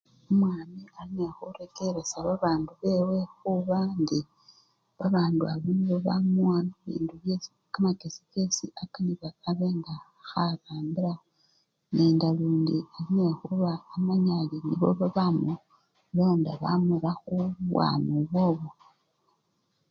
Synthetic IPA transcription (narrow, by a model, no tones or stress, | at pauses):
umwaːmialine̞xuɾeke̞ɾe̞saβaβaːnduβe̞we̞xuβandi | βaβaːnduaβinβoβamuwanaβḭːnduβjesi | kamake̞sike̞siʔakaniβaːβe̞ːŋɡa | xaraːmbiɾa | ne̞ːndaluːndialine̞xuβaːmaɲaliniβo̞̰βaβamu | lo̞ːndaβa̰mulaxuβwa̰nuβo̞ːβo